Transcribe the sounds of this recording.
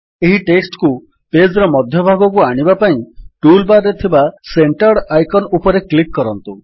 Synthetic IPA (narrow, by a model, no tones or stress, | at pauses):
eɦiʈeksʈku | ped͡ʒɾɔmɔd̪ʱjɔbʱaɡɔkuaɽ̃ibapaĩʈulbaɾːet̪ʰibaseɳʈaɽajkɔnupɔɾeklikːɔɾɔnt̪u